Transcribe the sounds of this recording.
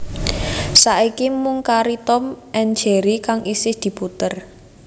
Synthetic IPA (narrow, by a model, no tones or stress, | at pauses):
saʔikimʊŋkaɾit̪ɔmʔɛnd͡ʒe̤ɾikaŋisɪhd̪̥i̤put̪ər